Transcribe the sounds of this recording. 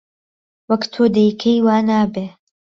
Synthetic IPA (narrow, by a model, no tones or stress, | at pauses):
wɐkt̪ʰoːd̪ejkʰejwaːnaːbeː